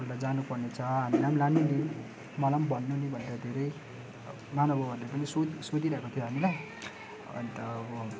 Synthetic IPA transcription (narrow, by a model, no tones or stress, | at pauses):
rlad͡zanupʌrnet͡sʰʌɦamilamlanːunin | mʌlambʌnːunibʱʌneɾʌd̪ʱeɾʌj | manʌbʌbʱʌrlepʌnisosod̪iɾʌɦekot̪ʰjoɦamilaj | ʌ̰nt̪ʌbʌ